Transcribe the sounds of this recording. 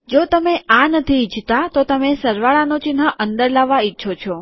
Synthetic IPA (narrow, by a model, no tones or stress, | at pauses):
d͡ʒot̪əmeanət̪ʰid͡ʒt̪at̪ot̪əmesəɾʋaɭanot͡ʃinɦəʔənd̪əɾlaʋːaitːʃʰot͡ʃʰo